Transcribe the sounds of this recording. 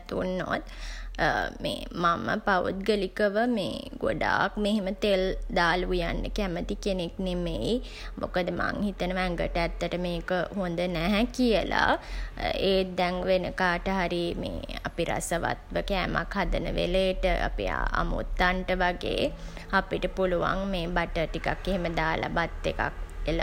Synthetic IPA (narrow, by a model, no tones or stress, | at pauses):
t̪unːo̰t̪ː | mḛːmamə̰paʋṵt̪̚ɡəlikəʋəmḛːɡo̰ɖaːk̚meɦemət̪eld̪aːlujanɖəkæmət̪ikeneknemei | mʔokəd̪əma̰ŋhit̪ənəʋæŋɡəʈəæt̪ːəʈəmeːkəhond̪ənæɦɛkijəla̰ | eːd̪ɛŋʋenəkaːʈəɦaɾimḛːa̰piɾa̰səʋa̰t̪ʋəkɛːmakhad̪ənə̰ʋḛleːʈəʔa̰pḭa̰mṵt̪ːaɳʈəʋaɡḛː | apiʈəpuluʋa̰ŋmeːbaʈəʈikakːeɦeməd̪aːlʔa̰bat̪ːeka̰k̚elə